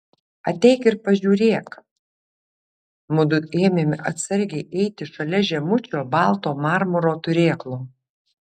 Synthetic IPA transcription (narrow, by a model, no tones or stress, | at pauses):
ɐt̪ʲɛɪkɪɾpɐʒʲuːɾʲeːk | mʊd̪ʊeːmʲeːmʲɪʔɐt̪sɐɾʲɡʲɛɪʔɛɪt̪ʲɪʃɐlʲɛʒʲɛmʊt͡ʃʲoːbɑːˑlˠt̪oːmɑːɾmʊɾoːt̪ʊɾʲeːklˠoː